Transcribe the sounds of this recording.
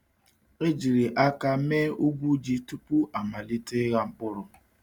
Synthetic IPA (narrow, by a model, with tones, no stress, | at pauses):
e˦d͡ʒi˨ɾi˨ʔa˦ka˦meː˦u˦ɡʷu˦d͡ʒi˦tu˦pu˦ʔa˨ma˨li˦te˦ɣa˦m̩˦bʊ˦ɾʊ˨